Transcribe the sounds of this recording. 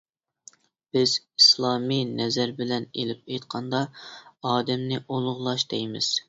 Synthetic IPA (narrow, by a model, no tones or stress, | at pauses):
b̥ɪz̥ | islˠɑːminɛzæɾbɪlɛnelɪp̚ejt̪qʰɑnd̪ɑɑːd̪ɛmnɪʔolˠʊʁlˠɑʃd̪ɛjmɪz̥